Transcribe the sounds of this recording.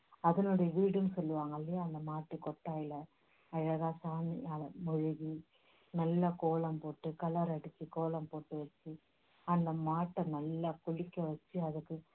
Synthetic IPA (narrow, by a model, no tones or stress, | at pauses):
ɐðɐnɔɽɐjɐʋiːɽɯmsɔlːɯʋaːŋɡɐlːɐjaːɐnd̪ɐmaːʈːɯkɔʈːaːjɪlɐ | ɐɻɐɣaːsaːniaːlɐmɔɻɯɣi | nɐlːɐkoːlɐmpoːʈːɯkɐlɐɾɐɽɯt͡ʃːikoːlɐmpoːʈːɯʋɐt͡ʃːi | ɐnd̪ɐmaːʈːɐnɐlːakʊɻɪkːɐʋɐt͡ʃːɯɐðɯkːɯ